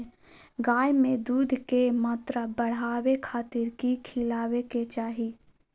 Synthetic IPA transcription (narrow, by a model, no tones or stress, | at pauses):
ɡaːjmẽd̪uːd̪ʱkemaːt̪ɾəbəɽ̤aːwekʰaːt̪ɪɾkikʰɪlaːweket͡ʃaːɦi